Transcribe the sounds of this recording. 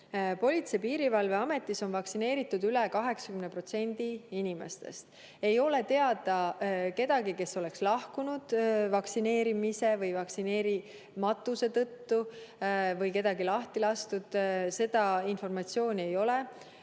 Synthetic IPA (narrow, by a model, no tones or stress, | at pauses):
po̞lʲit̪se̞piːɾivɑlve̞ɑme̞t̪ˑːiso̞nvɑksine̞ːɾit̪ːˑud̪yle̞kɑɦe̞ksɑ̥kymnepro̞t̪se̞nʲd̪̥iinʲime̞̰st̪e̞̰st̪ | e̞jo̞le̞t̪e̞ɑd̪̥ɑke̞d̪̥ɑɡike̞sːo̞le̞kslɑhkunud̪̥vɑksine̞ːɾimise̞vɤjvɑksine̞ːɾi | mɑt̪ːˑuse̞t̪ɤ̞t̪ːu | vɤjke̞d̪̥ɑɡilɑht̪ilɑst̪ud̪̥se̞d̪ɑinfo̞rmɑt̪sio̞ːnʲie̞jo̞le